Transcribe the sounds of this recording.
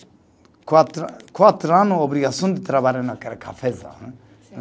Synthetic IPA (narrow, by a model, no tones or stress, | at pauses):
kat̪kʰwat̪ɾanũobɾiɡasũnd̪it̪ɾabaɾenakɛɾkʰafeza̰